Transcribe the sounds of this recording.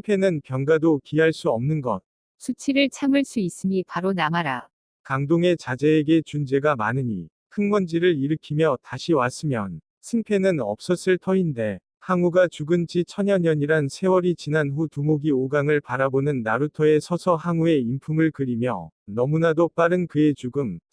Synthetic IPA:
ɯŋpʰe̞nɯnpjʌŋɡadokiɦaɭs͈uʌmnɯnɡʌ̰t̚ | sʰut͡ɕʰiɾɯɭt͡ɕʰamɯɭs͈uis͈ɯmipaɾonamaɾa | kaŋdoŋe̞t͡ɕad͡ʑe̞ːɡe̞t͡ɕund͡ʑe̞ɡamanɯɲḭ | kʰɯŋmʌnd͡ʑiɾɯɾiɾɯkʰimjʌtaɕʰiwas͈ɯmjʌn | sʰɯŋpʰe̞nɯnʌp̚s͈ʌs͈ɯɭtʰʌinde̞ | haŋuɡat͡ɕuɡɯnd͡ʑit͡ɕʰʌɲʌɲʌɲiɾansʰe̞wʌɾit͡ɕinanɸutumoɡioɡaŋɯɭpaɾabonɯnːaɾutʰʌe̞sʰʌsʰʌhaŋue̞impʰumɯɭkɯɾimjʌ̰nʌmunadop͈aɾɯnkɯe̞t͡ɕuɡɯm

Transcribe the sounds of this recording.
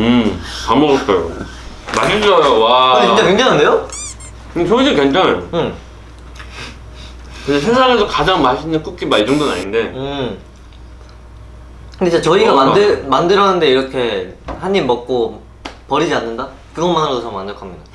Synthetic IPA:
ɯkamʌɡʌk͈ajo̰ | maɕiʌjowakɯneit͡ɕakɥeŋd͡ʑanɦandejo | kɯesʰoid͡ʑikɥent͡ɕʰaŋɯm | kɯndesʰesʰaŋesʰokad͡ʑaŋmaɕʰinːɯnk͈uk͈imait͡ɕʌŋdona̰ɲinde̞ɯ | kɯndet͡ɕat͡ɕʌiɡamandemandɯɾʌɦanɯnde̞iɾʌkʰe̞haɲimʌk̚k͈o | pʌɾid͡ʑianːɯnda | kɯɡʌnmanɯɾadot͡ɕʰʌmand͡ʑʌkʰamjʌda

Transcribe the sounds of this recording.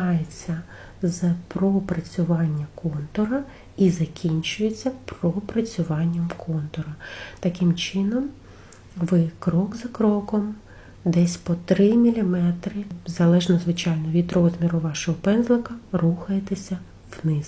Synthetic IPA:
ɑjet͡sʲːɐ | zpɾɔpɾɐt͡sʲʊʋɑnʲːɐkɔnt̪ɔɾɐ | izɐkʲinʲt͡ʃʊjet͡sʲːɐpɾɔpɾɐt͡sʲʊʋɑnʲːɐmkʰɔnt̪ɔɾɐt̪ɐkɪmt͡ʃɪnɔm | ʋɪkɾɔɡzɐkɾɔkɔm | d̪ɛsʲpɔt̪ɾɪmʲilʲimɛt̪ɾɪzɐlˠɛʒnɔzʋɪt͡ʃɑjnɔʋʲid̪ɾɔzmʲiɾʊʋɑʃɔɦɔpɛnzlˠɪkɐruxɐjet̪esʲɐ | wnɪs

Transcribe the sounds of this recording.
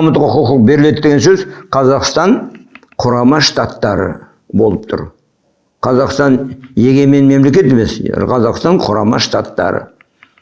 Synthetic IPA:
ɑmət̪qʊqʊqq̚be̞ɾɪle̞d̪d̪eɡʲensɵzqʰɑzɑqst̪ɑɴ | qʰʊɾɑmɑʃt̪at̪ːɑɾə̰ | bo̞lˠəp̚t̪ʰʊ̰ɾ | qʰɑzɑqst̪ɑnje̞ɡʲe̞me̞nme̞mle̞kʲe̞t̪e̞me̞sqʰɑzɑqst̪ɑɴqʰʊɾɑmɑ̰ʃt̪at̪ːɑ̰ɾə̰

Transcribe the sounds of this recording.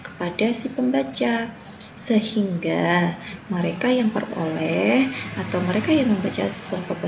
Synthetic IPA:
kə̥padasipəmbat͡ʃa | səhiŋɡaməɾekajaŋpərpo̰lɛhʔat̪awməɾekajaŋməmbat͡ʃa̰si̥pənpəpə

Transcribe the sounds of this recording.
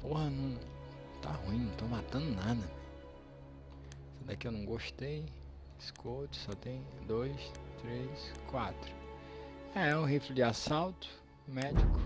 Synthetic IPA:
pohɐnɐ̃w̃ | t̪a̰ɦuĩnɐ̃w̃t̪omat̪ɐ̃nd̪ʊnad̪ɐnɛ̃ | sẽd̪akɪewnɐ̃w̃ɡoʃt̪ej | iskʰot͡ʃɪ̥sɔt̪ẽj̃d̪ojst̪ɾeskwat̪ɾʊ̥ | ɛɛʊ̃ɦifɾɪd͡ʒɪasawt̪ʊ̥ | mɛd͡ʒikʊ̥

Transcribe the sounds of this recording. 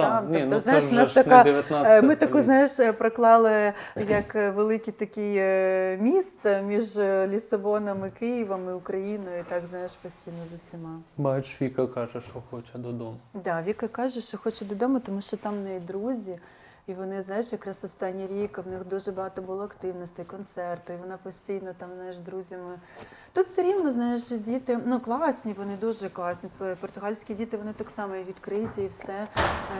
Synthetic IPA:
t̪atnʲɔiɔzsnajɪnɑsʃt̪ɐk̪ad̪ejɐt̪amɪt̪ɐkuznɑjɪʃpɾɐklˠɑlˠɪjɐkʋelˠɪkʲit̪ɐkʲijmʲist̪mʲiʒlʲisɐbɔnɔmɪkɪjɪʋɐmɪʊkɾɐjinɔjʊit̪ɑɡznɑjɪʃpɔsʲtʲijnɔzɐsʲimɑbɐʃʋʲikɐkɑʒɛʃt͡ʃɔxɔt͡ʃɐd̪ɔd̪ɔmɐd̪ɑʋʲikɐkɑʒɛʃt͡ʃɔxɔt͡ʃɐd̪ɔd̪ɔmɐt̪ɔmuʃt͡ʃɔt̪ɑmnɛid̪ɾuzʲi | iʋɔnɪznɑjɪʃjɐkɾɑsɔst̪ɑnʲːiɾʲikwnɪxd̪uʒɛbɐɦɑt̪ɔbʊlˠɔɐkt̪ɪwnɔsʲt̪ɪikɔnt̪sɛrt̪ʊiʋɔnɑpɔsʲtʲijnɐt̪ɑmznɑjɪʒd̪ɾuzʲɐmɪ | t̪ut̪sɐɾʲiwnɔznɑjɪʃdʲit̪ɪnuklˠɑsʲnʲiʋɔnɪd̪uʒɛklˠɑsʲnʲipɔrt̪ʊɦɑlʲsʲkʲidʲit̪ɪʋɔnɪt̪aksɑmɔʋʲid̪kɾɪtʲɐiwsɛ

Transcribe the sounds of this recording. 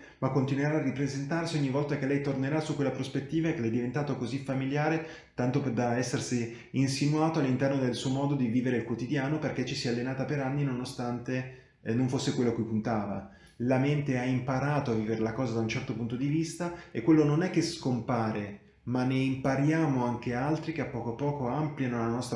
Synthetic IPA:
makːont̪inweɾaːrːipɾezent̪arsioɲːivːɔlt̪akelːɛjt̪orneɾasukːwelːapɾospet̪ːiːvaekelɛjd̪ːivent̪aːt̪okozifamiljaːɾe | t̪ant̪oped̪aɛsːersi | insinuaːt̪oalːint̪ɛrnod̪elsuomɔːd̪od̪iviːveɾeilkwot̪id̪jaːnoperk̟et͡ʃːisialːenaːt̪apeɾanːinonost̪ant̪e | noɱfosːekwelːoakːujpunt̪aːva̰ | lament̪eaimpaɾaːt̪oavːiːveɾelakɔːzad̪aunt͡ʃɛrt̪opunt̪od̪ivist̪aekːwelːononɛk̟ːeskompaːɾe | manːeimpaɾjaːmoaŋk̟ealt̪ɾikeapːɔːkoapːɔːkoampljanolanɔst̪

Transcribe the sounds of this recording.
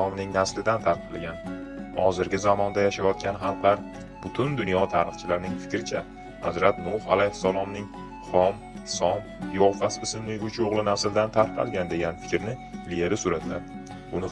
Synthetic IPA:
ɒmnɪŋnaslɪd̪ant̪ʰaɾqʰɑlˠɡʲanhɒzɪɾɡʲɪzamɒnd̪ajaʃajɒt̪̚kʲʰanχɑlˠqlaɾ | b̥ʊt̪ʰʊnd̪ʊnjɒt̪ʰaɾɨχt͡ʃʰɪlaɾnɪŋfɪ̥kʲɾɪt͡ʃʰa | hazɾat̪nʊfalajhɪsːalˠɒmnɪŋ | χɒm | sɒmjɒfasɪsɪmlɪɡʊt͡ʃʰoʁlˠɪnaslɪd̪ant̪ʰaɾqʰɑ̰lˠɡʲand̪e̞ɡʲanfɪ̥kʲɾɪnɪlijeɾɪsʊɾat̪lad̪ | ʊnɪ

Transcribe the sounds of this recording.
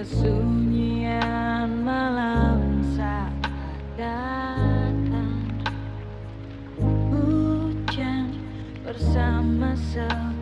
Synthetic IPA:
əsuɲianmalamsa | da | t̪an | but͡ʃaɲ | bərsamasə

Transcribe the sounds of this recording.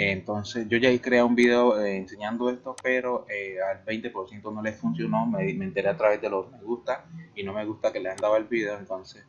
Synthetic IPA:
ent̪o̞nse̞sʝo̞ʝaikɾeaumbiðeoeːnse̞ɲãnd̪o̞e̞st̪o̞pe̞ɾo̞ʔealbe̞jnt̪epo̞ɾsje̞nt̪ono̞le̞sfunsjo̞no̞memeent̪e̞ɾe̞at̪ɾaβe̞zd̪e̞lokme̞ɣust̪aino̞me̞ɣust̪ake̞leand̪aβaelβiðe̞oent̪o̞nse̞s

